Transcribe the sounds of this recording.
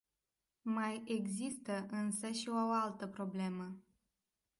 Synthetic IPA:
maje̞ɡzist̪əʔɨnsəʃiooalt̪əpɾo̞ble̞mə

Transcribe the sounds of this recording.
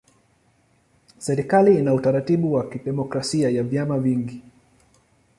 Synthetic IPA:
sɛɾikaliinautaɾatiɓuwakiɗɛmɔkɾasiajavjamaviŋɡi

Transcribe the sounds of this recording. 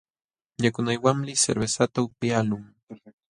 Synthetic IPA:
ɲakʊnajwaŋlɪsḛɾβesat̪aʊpjalʊŋ

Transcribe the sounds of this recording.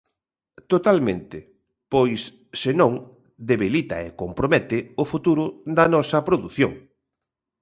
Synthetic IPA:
t̪ot̪almẽnt̪ɪ | pojsː | enõŋ | d̪eβilit̪ɐ̰ekompɾomɛt̪ɪʊfut̪uɾʊd̪ɐnɔsɐpɾoðuθjoŋ

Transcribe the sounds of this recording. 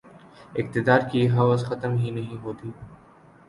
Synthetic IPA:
ɪk̚t̪ɪd̪aːɾkʰiːɦɐʋazxɐt̪əmɦiːnɐɦĩːɦoːt̪iː

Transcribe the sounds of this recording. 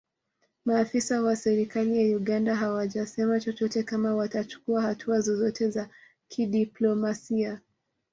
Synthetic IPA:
maːfisawasɛɾikalijauɠandaɦawaʄasɛmat͡ʃɔt͡ʃɔtɛkamawatat͡ʃu̥kuahatʰuazɔzɔtɛza | kʰiɗiplɔmasia

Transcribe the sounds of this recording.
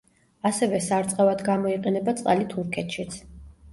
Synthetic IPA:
asɛvɛsaɾt̪sʼqʼɛvad̪ɡamɔiqʼɛnɛbat̪sʼqʼalit̪ʰuɾkʰɛt̪ʰʃit̪sʰ

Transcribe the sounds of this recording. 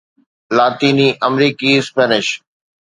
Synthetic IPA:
laːt̪iːniːʔəmɾiːkispɛːnɪʃ

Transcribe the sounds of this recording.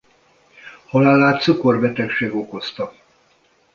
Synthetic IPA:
hɒlaːlaːt̪suko̞rbɛt̪ɛkʃeːɡo̞ko̞st̪ɒ

